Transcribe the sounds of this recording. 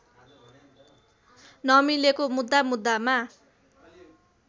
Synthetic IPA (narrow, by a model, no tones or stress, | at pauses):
nʌmilekomud̪ːamud̪ːama